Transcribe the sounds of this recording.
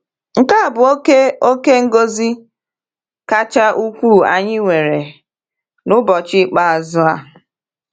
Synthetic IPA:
ŋ̩˨ka˦˨bʊ˨˦ke˦o˦ke˦ŋ̩˦ɡo˦zi˦ | ka˦t͡ʃa˦ʔu˦kʷu˦˨a˨ɲɪ˦ŋʷe˨ɾe˨ | nʊ˦bɔ˨t͡ʃɪ˦k͡pa˦a˨zʊ˦a˨

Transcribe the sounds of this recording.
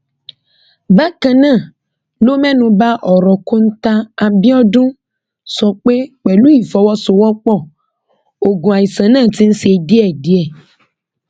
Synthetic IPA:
ba˦kã˨nã˦˨ | lo˦mɛ̃˦nũ˨ba˦ʔɔ˨ɾɔ˨ko˦n̩˦t̪a˦a˨bi˦ɔ˦dũ˦ | sɔ˨k͡pe˦k͡pɛ˨lu˦i˨fɔ˨wɔ˦so˨wɔ˦k͡pɔ˦˨ | o˨ɡũ˨a˨ji˨sã˨nãː˦˨t̪i˦n̩˦si˦e˨di˦ɛ˨di˦ɛ˦˨

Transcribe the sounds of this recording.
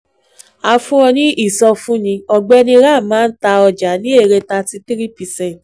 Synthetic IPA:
a˧fũ˦ɔ̃˧nĩ˦ʔi˦˨sɔ˧fũ˦nĩ˧ɔ˧ɡ͡bɛ˦nĩ˧ɾa˦˨mãː˨˦n̩˦ta˧ɔ˧d͡ʒa˨˦nĩ˦e˦˨ɾe˧ta˧ti˧˦ti˦ɾi˦pi˧sɛ̃˨

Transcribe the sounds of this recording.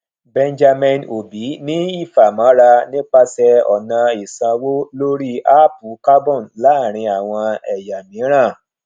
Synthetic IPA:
bɛ˧nd͡ʒa˧mɛ̃˧no˨bi˨˦nĩ˦i˦˨fa˨mã˨˦ɾa˧nĩ˦k͡pa˧sɛ˧ɔ̰˨nã˧i˨sã˧wo˦lo˦ɾi˦a˦pu˨˦ka˦bɔ̃˦˨nla˨˦˨ɾ̃ĩ˧a˨w̃ɔ̃˧ɛ˨ja˨mĩ˨˦ɾ̃ã˦˨

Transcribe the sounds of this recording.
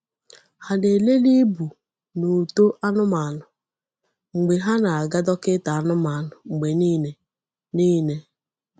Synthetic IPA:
ha˨ne˨le˦li˦bu˨ | no˨to˦ʔa˦nʊ˦ma˨nʊ˨ | ŋ͡m̩˨ɡ͡be˨ɦa˦na˨a˨ɡa˦dɔ˦kɪ˦ta˨a˦nʊ˦ma˨nʊ˨ŋ͡m̩˨ɡ͡be˨niː˦ne˨ | niː˦ne˦

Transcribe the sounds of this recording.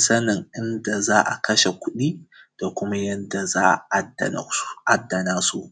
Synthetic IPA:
sɐ˦nɪ˨ŋʔɪ˦nda˨zaː˦ʔa̰˨kʰɐ˦ʃe˨kʷʊ˦ɗiː˦d̥a˨kʷʊ˦ma˦jɐ˦nda˨zaː˦ʔa˨ʔa˦da̰˨˦ʔa˦dːɐ˨naː˦su˦ʔ

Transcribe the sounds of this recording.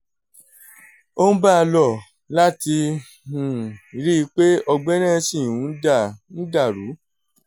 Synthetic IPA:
o˦ñ̩˦ba˦a˧lɔ˦˨ | la˦ti˧ | hũ˨ɾi˦i˧k͡pe˦ɔ˧ɡ͡bɛ˦nã˦sĩ˦˨ũ˨˦da˦˨ñ̩˦da˦˨ɾu˨˦

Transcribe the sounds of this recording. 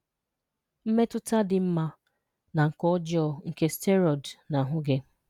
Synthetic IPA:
m̩˦me˦tʊ˦ta˦dɪ˨m̩˦ma˦ | na˨ŋ̩˨kɔ˦d͡ʒɔ˦ŋ̩˦ke˦ste˦ɾɔ˨dna˨ɦʊ˦ɡe˦

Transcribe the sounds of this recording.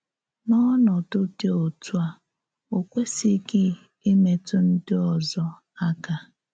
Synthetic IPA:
nɔ˦nɔ˨to˦te˦o˨tu˦a˦ | o˨kʷe˦si˦kɪ˦ | i˦me˨tʊ˦n̩˦dɪ˦ɔ˨zɔ˦ | a˦ka˨

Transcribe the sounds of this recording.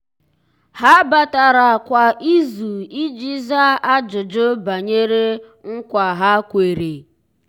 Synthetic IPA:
ha˦ba˨ta˨ɾa˨kʷa˨ʔi˦zu˨i˦d͡ʒi˦za˦a˦d͡ʒʊ˨d͡ʒʊ˦ba˨ɲe˦ɾe˦ | ŋ̩˦kʷa˨ɦa˦kʷe˨ɾe˨

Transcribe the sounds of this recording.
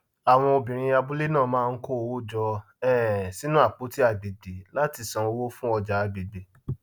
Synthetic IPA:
a˨w̃ɔ̃˧o˧bĩ˨ɾ̃ĩ˧a˧bu˦le˦nãː˦˨mãː˦˧n̩˦ko˦o˧wo˦d͡ʒɔ˧ | ɛ̃˦˨si˨˦nũ˦a˦˨k͡po˨˦ti˦a˦˨be˨be˨la˦ti˧sã˧wo˦fũ˦ɔ˧d͡ʒa˨˦be˨be˨˦

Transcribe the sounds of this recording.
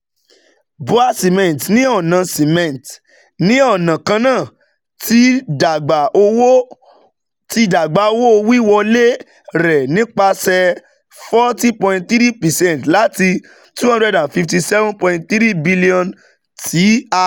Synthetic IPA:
bu˦a˦si˨mɛ̃˨n˨tnĩ˦ɔ˦˨nã˧si˨mɛ̃˨n˨t | nĩ˦ɔ˦˨nã˨kã˧nãː˦˨ | tʰi˦da˨ɡ͡ba˨ʔo˧wo˦ | ti˧da˨ɡ͡ba˨o˧wo˦o˧wi˦wɔ˧le˦ | ɾɛ˨nĩ˦k͡pa˧sɛ˧ | fɔ˦ti˦pɔ̃˧ĩ˧t̚θi˦ɾi˦pɛ˨sɛ̃˦n˨tla˨˦ti˧ | tũ˦ɔ̃˦ɾɛ˧dã˨fi˧fti˧sɛ˦vũ˦pɔ̃˧ĩ˧t̚θɾi˦bi˦li˦ɔ̃˧n | tʰi˨˦a˧

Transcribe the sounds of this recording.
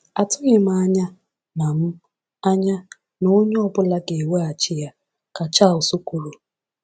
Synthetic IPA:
a˨tʊ˦ɲɪ˨m̩˦a˦ɲa˦ | na˨m̩˦ | a˦ɲa˦ | no˦ɲʊ˦ɔ˦bʊ˦la˦ɡe˨we˦a˨t͡ʃɪ˦ja˦ | ka˨t͡ʃa˦˨o˨su˦ku˨ɾu˨

